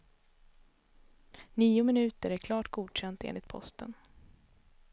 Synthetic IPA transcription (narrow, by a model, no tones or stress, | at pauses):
niːʊmɪnʉ̟ːt̪əɾækʰlɑːʈɡuːd̪ɕɛnt̪ḛːnɪt̪̚pʰɔ̰st̪ə̰n